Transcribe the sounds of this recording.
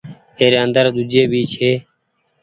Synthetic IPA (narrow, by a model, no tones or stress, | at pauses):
eːɾeːənd̪əɾd̪ud͡ʒeːbiːt͡ʃɦeː